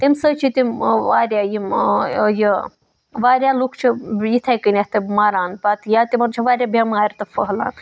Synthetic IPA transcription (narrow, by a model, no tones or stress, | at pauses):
t̪imsət͡ʃʰit̪imʋaːɾʲjaːjimjə | ʋaːɾjaːlukʰt͡ʃʰijit̪ʰajkɨnʲet̪ɨmaːɾaːnpat̪ʰjat̪imɐnt͡ʃʰiʋaːɾjaːbʱʲemaːɾʲt̪ɐfəɦla̰ːn